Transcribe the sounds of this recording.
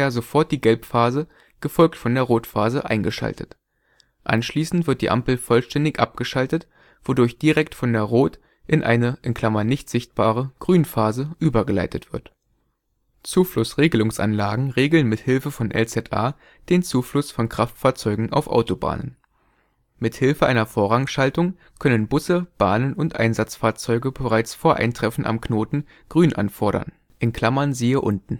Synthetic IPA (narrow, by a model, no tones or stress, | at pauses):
jazofɔɐt̚d̥iːɡɛlpfaːzə | ɡ̥əfɔlk̚tfɔndeːɐʁoːtfaːzəʔaɪnɡəʃa̰ltə̰t | ʔa̰nʃliːsn̩tv̥ɪɐt̚d̥ḭːʔa̰mpl̩fɔlʃtɛndɪçʔap̚ɡ̥əʃaltət | v̥odʊɐçd̥iʁɛktfɔndeːɐʁoːt | ʔɪnʔa̰ɪnəʔɪnkʰl̥amɐnɪçtz̥ɪçt̚b̥aːʁ̞əɡ̥ʁyːnfaːzəʔyːbɐɡəla̰ɪtətv̥ɪɐt | t͡suːflʊsʁeːɡəlʊŋsʔa̰nlaːɡŋ̩ʁeːɡl̩nmɪthɪlfəfɔnʔɛ̰lt͡sɛtʰʔa̰ː | d̥eːnt͡suːflʊsfɔnkʁ̥aftfaːɐt͡sɔʏɡŋ̩ʔa̰ʊfʔa̰ʊtoba̰ːnə̰n | mɪthɪlfəʔaɪnɐfoːɐʁaŋʃaltʊŋ | kʰœnənbʊsəb̥aːnənʊntʔa̰ɪnzat͡sfaːɐt͡sɔʏɡəbəʁaɪt͡sfoːɐʔa̰ɪntʁ̥ɛfn̩ʔa̰mknoːtn̩ | ɡ̥ʁyːnʔa̰nfɔɐɾɐ̰n | ʔɪnkʰl̥amɐnziːəʔʊntn̩